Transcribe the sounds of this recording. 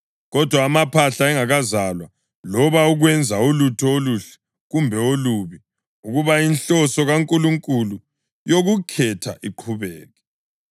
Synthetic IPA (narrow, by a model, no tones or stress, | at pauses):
ɣɔd̥ʱwaːmapʰaɬaɛŋaɣazalwa | lɔβauɣwɛnd͡zʱaolutʰɔoluɬɛ̥ | ɣumbʱɛoluβi | uɣuβainɬɔsɔɣaŋkʼuluŋkʼulu | joɣukʰɛtʰa̰ʔiǃʰuβɛːɣɛ